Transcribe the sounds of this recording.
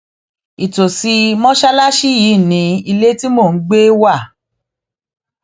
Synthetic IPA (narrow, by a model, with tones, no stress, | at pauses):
i˨to˨si˧mɔ̃˦ʃa˦la˦ʃi˦jiː˨˦˨nĩ˨˦i˧le˦ti˦mo˦˨n̩˦ɡ͡be˦wa˦˨